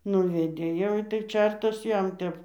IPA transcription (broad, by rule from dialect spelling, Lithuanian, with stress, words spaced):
ˈnʊʋʲɛdʲeː jɛʊ ˈɪtɐɪ ˈt͡ʃʲɛrtɐs ˈjɛm ˈtʲɛp